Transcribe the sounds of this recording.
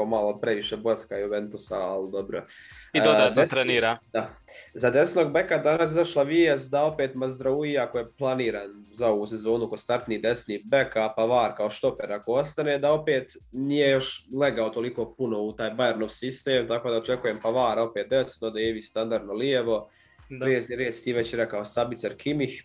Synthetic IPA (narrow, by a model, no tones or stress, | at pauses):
malˠopɾeʋiʃebuat̪skaioʋent̪usa̰ːld̪o̞bɾo̰it̪od̪d̪t̪ɾeniːɾaːd̪azad̪e̞sno̞ɡbekad̪anas̬izaʃlˠaʋiesd̪ao̞peːt̪mazd̪ɾauiakojeplˠaniːɾaːnzaoɡusezo̞ːnukost̪aɾt̪niːd̪e̞sniːbekapaʋaːɾkao̞ʃt̪o̞peɾakoo̞st̪aneːd̪ao̞peːt̪nije̞jo̞ʃleɡaot̪o̞likopuno̞ut̪aːjbajeɾnoʋsist̪eːmt̪akoːd̪aot͡ʃekujempaʋaːɾao̞peːt̪̚d̪esnod̪ajeʋist̪and̪aɾd̪nolieʋo̞ | ʋieseɾeːd̪st̪iːʋet͡ɕiɾakaosabit̪saɾkʰimih